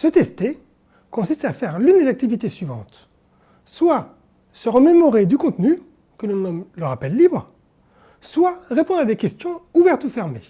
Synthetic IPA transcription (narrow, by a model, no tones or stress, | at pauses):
sət̪ɛst̪e | kɔ̃sist̪afɛʁlynd̪ezak̚t̪ivit̪esɥivɑ̃t̪ | swa | səʁəmemɔʁed̪ykɔ̃t̪ny | kələnɔmləʁapɛlːibʁ | swaʁepɔ̃d̪ʁad̪ekʲɛst̪jɔ̃uvɛʁt̪ufɛʁme